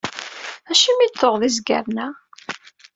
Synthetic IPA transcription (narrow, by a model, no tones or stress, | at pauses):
æʃimit̪ːoʁðizɡæ̰ɾnæ